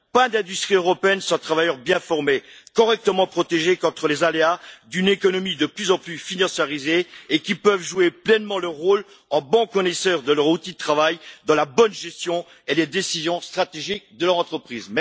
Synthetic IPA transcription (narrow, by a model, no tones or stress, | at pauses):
pɛ̃d̪ɛ̃d̪yst̪χiøʁɔpeɛnsɔ̃t̪χavajœʁbjɛ̃fɔʁmekɔʁɛk̚t̪əmɑ̃pχɔt̪eʒekɔ̃t̪χəlezalead̪ynekɔnɔmid̪əplyzɑ̃plyfinɑ̃sjaʁizeːkʲipœvʒueplɛnmɑ̃lœʁʁːol | ɑ̃bɑ̃kɔnɛsœʁd̪əlœʁut̪id̪ət̪χavajd̪ɑ̃labɔnʒɛst̪jɔ̃ | eled̪esizjɔ̃st̪χat̪eʒik̚d̪əlœʁɑ̃t̪χəpχiːzm